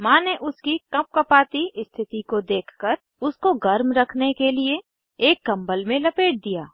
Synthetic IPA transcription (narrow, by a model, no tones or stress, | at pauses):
mãːneʔʊskikɐp̚kɐpaːt̪iɪst̪ʰɪt̪ikod̪eːkʰkəɾ | ʊskoɡɐɾmɾɐkʰnekelie | eːkːɐ̃mbəlmẽlɐpeːʈ̚d̪ijaː